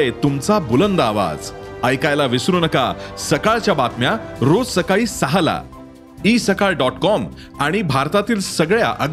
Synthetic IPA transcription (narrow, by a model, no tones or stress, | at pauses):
et̪umt͡sabulənd̪aʋa̰d͡zəjkajlaʋisɾunəka̰səkaɭt͡ɕjabat̪mjaɾod͡zsəkaɭiːsaɦala̰ | iːsəkaɭɖɔʈkɔm | aɽ̃ibʱaɾt̪at̪iːlsəɡɭja̰ʔəɡ